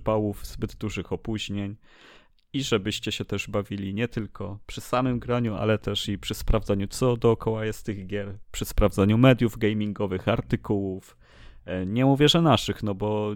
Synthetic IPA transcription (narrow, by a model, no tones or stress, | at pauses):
pawuvzbɘd̪d̪uʐɘxɔpuʑɲeɲ | iʐɛbɘɕt͡ɕɛɕɛt̪ɛʐbavʲilʲiɲɛt̪ɘlkʰɔpʂɘsamɘmɡɾaɲua̰lɛt̪ɛʂipʂɘspɾavd̪zaɲut̪sɔd̪ɔːkɔwajɛst̪ɘɣɡʲjɛɾpʂɘspɾavd̪zaɲumɛd̪juvɡɛjmʲiŋɡɔvɘxaɾt̪ɘkuwuf | ɲɛmuvʲjɛʐɛnaʂɘxnɔbɔ